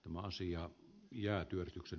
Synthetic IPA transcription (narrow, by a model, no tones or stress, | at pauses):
t̪æmæɑsiɑjæːt̪yørit̪yksen